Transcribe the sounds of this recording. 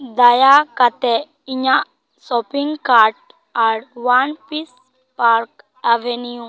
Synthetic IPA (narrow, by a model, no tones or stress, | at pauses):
d̪ajakat̪e | iɲa | sɔpiŋɡkaɾʈ̚ | aɽʋanpis | paɾk | aʋenijũ